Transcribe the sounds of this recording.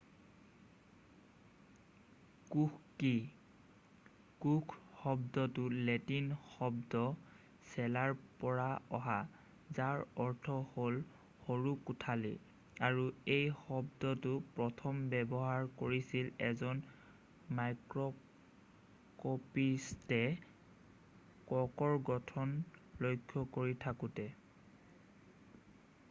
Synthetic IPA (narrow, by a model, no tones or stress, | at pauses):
kukki | kukʰhɔbdɔtʊletinxɔbdɔ | sɛlaɹpɔɹaɔɦa | zaɹɔɹtʰɔhol | xoɹukutʰalḭ | aɹuejxɔbdɔtʊpɹɔtʰɔmbɛbɔɦaɹkoɹisilɛzɔn | majkɹɔ | kɔpistɛ | kɔkɔɹɡɔtʰɔnlojkʰːɔkoɹitʰakutɛ